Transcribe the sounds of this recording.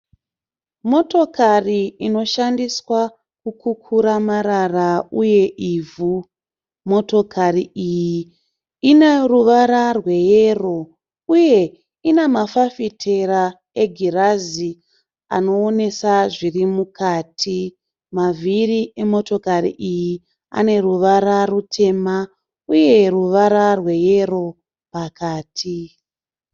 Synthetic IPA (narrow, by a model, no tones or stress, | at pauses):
mo̞to̞kariino̞ʃandiswa | kukʰukʰuɾamaɾarauje̞ʔiːvʱu | mo̞to̞kʰariiji | ineruʋaɾarwe̞jero̞ | uje̞ | inemafafitʰe̞ɾa | e̞ɡʱirazi | a̰no̞ːne̞saʐirimukʰaːtʰi | mavʱiriʔe̞mo̞to̞karḭʔiji | a̰ne̞ruʋaɾarutʰe̞ma | uje̞ruʋaɾarwe̞jero̞ | pakaːtʰi